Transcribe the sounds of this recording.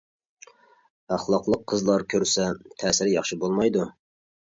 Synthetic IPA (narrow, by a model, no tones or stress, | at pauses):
æχlˠɑqlˠəqʰːəzlˠɑɾkʲʰøɾsɛt̪ʰɛːsɪɾjɑχʃɨbolˠmɑjd̪u